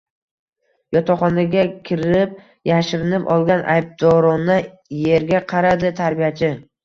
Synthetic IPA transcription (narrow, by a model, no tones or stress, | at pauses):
jɒt̪ʰɒχɒnaɡʲakʲʰɪɾɪp̚ | jaʃɪɾɪnɪpɒ̰lˠɡʲanʔa̰jb̚d̪ɒɾɒna | je̞ɾɡʲaqʰɑɾad̪ɪt̪ʰaɾbijat͡ʃʰɪ